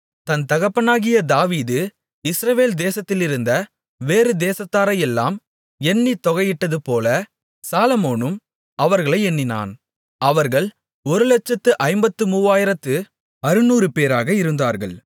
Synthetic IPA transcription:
t̪ɐnt̪ɐɣɐpːɐnaːɣɪjɐd̪aːʋiːðɯ | ɪsɾɐʋeːld̪eːsɐt̪ːɪlɪɾɯnd̪ɐ | ʋeːɾɯd̪eːsɐt̪ːaːɾɐjɛlːa̰ːm | ɛnːit̪ːɔɣɐjɪʈːɐðɯpoːlɐ | saːlɐmoːnɯm | ɐʋɐɾɣɐɭɐɪɛnːɪna̰ːn | ɐʋɐɾɣɐɭ | ɔɾɯlɐt͡ʃːɐt̪ːɯʔɐɪmbɐt̪ːɯmuːʋaːjɪɾɐt̪ːɯ | ɐɾɯnuːɾɯpeːɾaːɣɐɪɾɯnd̪aːɾɣɐ̰ɭ

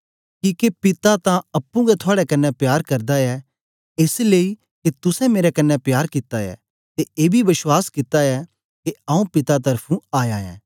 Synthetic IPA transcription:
kiːkepɪt̪at̪ãɐpːũɡɛt̪ʰʊaːɽɛkɐnːɛpjaːɾkɐɾd̪aɛ | esleːi | ket̪ʊsɛ̃meːɾɛkɐnːɛpjaːɾkɪt̪aɛ̰ | t̪eeːbʱiʋɪʃwaːskɪt̪aɛ | keãːũpɪt̪at̪̬ɐɾpʰũaːjaːɛ̰̃ː

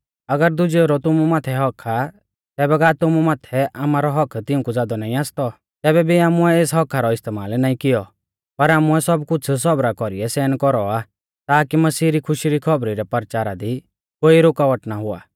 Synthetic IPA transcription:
ɐɡəɾd̪ʊd͡ʒeoɾɔt̪ʊmumaːt̪ʰɛɦɔkʰa | t̪ɛːbɛɡaːt̪ʊmumaːt̪ʰɛʔaːmaɾɔɦɔkʰt̪ɪũkud͡zaːd̪ɔnaːĩaːst̪ɔ | t̪ɛːbɛbʱiaːmuɛeːsɦɔkʰaɾɔɪst̪eːmaːlnaːĩkɪjɔ | pɐɾaːmuɛsɔbkʊt͡sʰs̬ɔbɾakɔɾiɛsɛːnkɔɾɔa | t̪aːkimɐsiːɾikʰʊʃiɾikʰɔbɾiɾɛpɐɾt͡ʃaːɾad̪i | koːiɾoːkaʋəʈnaɦʊa̰ː

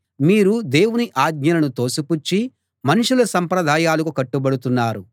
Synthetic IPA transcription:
miːɾud̪eːwuniʔaːɡɲɐlɐnut̪o̞ːsuput͡ʃːi | mɐniʂulɐsɐmpɾɐd̪ʱaːjaːlɐkukɐʈːubɐɽut̪unːaːɾu

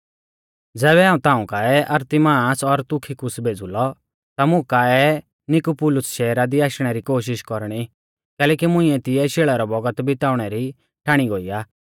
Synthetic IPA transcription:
d͡zɛːβɛãːũt̪ãːũkaːɛʔɐɾt̪imaːsɔɾt̪ʊkʰikʊsbʱeːd͡zulɔ | t̪amʊ̃kaɛ | nɪkupʊlʊsʃɛːɾad̪iaːʃɽ̃ɛɾikoːʃɪʃkɔɾɽ̃i | kɛːlɛːkimʊ̃ĩɛt̪ɪɛʃeːɭaɾɔbɔɡət̪bɪt̪aːʊɽ̃ɛɾi | ʈʰaːɽ̃iɡoːiːaː

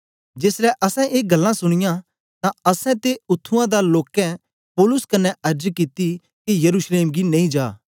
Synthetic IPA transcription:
d͡ʒeːslɛʔɐsɛ̃ʔeːɡɐlːãsʊɽ̃ɪjã | t̪ãɐsɛ̃t̪eʊt̪ʰːũãd̪aloːkɛ̃ | poːlʊskɐnɛʔɐɾd͡ʒkɪt̪i | kijɐɾuːsleːmɡinɐ̃ĩd͡ʒaː

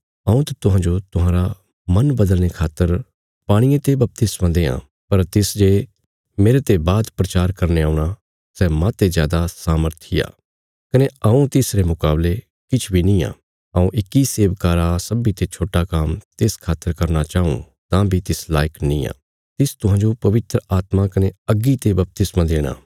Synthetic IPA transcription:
ɐũt̪at̪ʊɦãːd͡ʒot̪ʊɦãːɾa | mɐnbɐd̪əlnekʰaːt̪ːəɾ | paːɽ̃iẽt̪ebɐp̚t̪ɪsmãd̪eːã̰ | pɐɾt̪ɪsd͡ʒeː | meːɾet̪ebaːd̪pɾɐt͡ʃaːɾkɐɾneaːuɽ̃a | sɛmãt̪ezjaːd̪asaːməɾt̪ʰia̰ː | kɐneaũt̪ɪsɾemʊkaːble | kɪt͡ʃʰbʱinĩːã̰ː | ɐũʔɪkːiseːʋkaːɾasɐbit̪et͡ʃʰoːʈakamt̪eːskʰaːt̪əɾkɐɾnat͡ʃaːṵ̃ | t̪ãbʱit̪ɪslaːjəknĩːa̰ː | t̪ɪst̪ʊɦãːd͡ʒopɐʋɪt̪ɾəaːt̪makɐneɐɡːit̪ebɐp̚t̪ɪsmãd̪eːɽ̃a̰ː

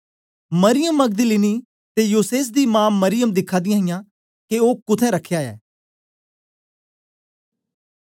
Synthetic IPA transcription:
mɐɾɪjəmːɐɡ̚d̪əliːni | t̪ejuːseːs̬d̪imãːmːɐɾɪjəmd̪ɪkʰːaːd̪ɪjãːɦɪjãː | keoːkʊt̪ʰɛ̃ɾɐkʰjaːɛ̰ː

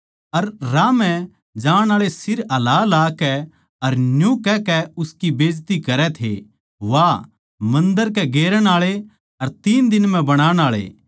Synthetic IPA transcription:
ɐɾːaːmɛ̃ | d͡ʒaːɽ̃aːɭesɪɾɐlaːlaːkɛ | ɐɾnjũkɛkɛʊskibeːd͡ʒt̪ikɐɾɛt̪ʰḛ | ʋa | mɐ̃nd̪əɾkɛɡeːɾəɽ̃aːɭe | ɐɾt̪iːnd̪ɪnmɛ̃bɐɽ̃aːɽ̃aːɭḛ

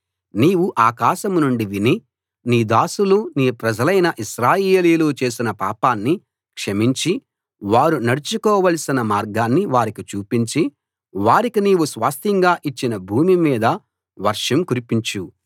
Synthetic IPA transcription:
niːʋuʔaːkaːʃɐmnuɳɖiʋini | niːd̪aːsuluniːpɾɐd͡ʒɐlɐjnɐʔiʃɾaːjeːliːluːt͡ʃe̞ːs̬inɐpaːpaːnːi | kʂɐmiɲt͡ʃi | ʋaːɾunɐɽut͡ʃukɔːʋɐlsinɐmaːɾɡaːnːiʋaːɾikit͡ʃuːpiɲt͡ʃi | ʋaːɾikiniːwusʋaːst̪ʰiŋɡaːʔit͡ʃːinɐbʱuːmimiːd̪ɐ | ʋɐɾʂɐmkuɾipiɲt͡ʃu

